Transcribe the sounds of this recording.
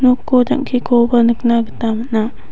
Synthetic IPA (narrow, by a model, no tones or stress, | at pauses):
nukːod͡ʒa̰ŋkʰikʰobanɯk̚naɡɯtamana